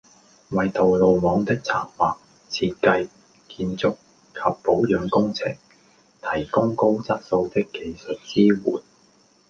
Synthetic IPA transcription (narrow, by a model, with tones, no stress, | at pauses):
wɐ˨jt̪o˨wlo˨wmɔː˨˧ŋt̪ɪ˥k̚t͡sʰa̰ː˨˩ŋwaː˨˩k̚ | t͡sʰiː˧t̚kɐ˧j | kiː˧nt͡sʊ˥k̚ | kʰɐ˨pːo˨˥wjœː˨˧˥ŋkʊ˥ŋt͡sʰɪ̰˨˩ŋ | t̪ʰɐ˨˩jkʊ˥ŋko˥wt͡sɐ˥t̚so˨˧wt̪ɪ˥kːe˨˧jsɵ˨t̚t͡siː˥wuː˨˩n